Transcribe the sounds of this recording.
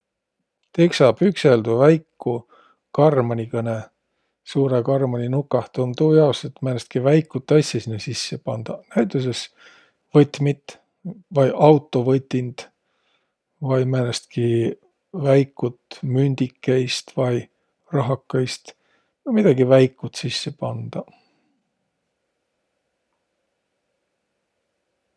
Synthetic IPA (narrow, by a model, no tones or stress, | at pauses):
t̪eksɑːb̥ykseld̪uvæjkːu | kɑrmɑnʲikɤne | suːɾekɑrmonʲinukːˑɑht̪umt̪uːjɑoset̪mænest̪̚kivæjkːˑut̪ːˑɑsʲːesinːesisːepɑnd̪̥ɑnæjt̪ˑus̬e̞s | vɤt̪mit̪ | vɑjʔɑwt̪ːˑo̞vɤt̪ʲːind̪̥ | vɑjmænest̪̚ki | væjkːˑut̪mynʲd̪̥ikːejst̪vɑj | rɑɦɑkːɑjst̪ | vɤjmid̪̥ɑɡ̥ivæjkˑːut̪sisːe̞pɑnd̪̥ɑ